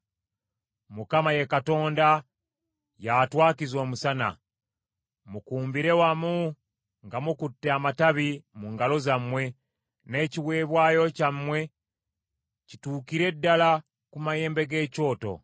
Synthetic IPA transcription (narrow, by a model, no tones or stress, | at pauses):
mukamaje̞kato̞ːnda | jatwaːkizwoːmusana̰ | mukuːmbiɾe̞wamu | ŋɡamukutːeamataβimuŋɡalo̞zamwe̞ | ne̞ːciweːβwaːjo̞camwe̞ | cituːkiɾe̞dːala | kumaje̞ːmbe̞ɡe̞ːco̞ːto̞̰